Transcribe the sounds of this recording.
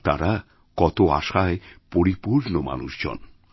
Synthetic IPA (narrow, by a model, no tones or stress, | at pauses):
t̪aɾa | kɔt̪oa̰ʃaepoɾipuɾnoma̰nuʃd͡ʑo̰n